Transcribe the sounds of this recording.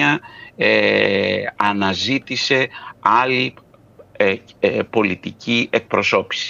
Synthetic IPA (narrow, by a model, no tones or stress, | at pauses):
ɐe | ɐnɐzit̪ise̞ɐli | po̞lit̪icʰiʔe̞k̚pɾo̞so̞pi̥si̥